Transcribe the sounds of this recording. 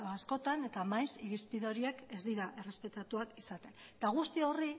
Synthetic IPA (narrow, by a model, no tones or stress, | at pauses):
asko̞t̪ane̞t̪amajsiɾispiðo̞ɾie̞kezd̪iɾaʔe̞re̞spe̞t̪at̪uakisat̪e̞nt̪aɣ̞ust̪io̞ri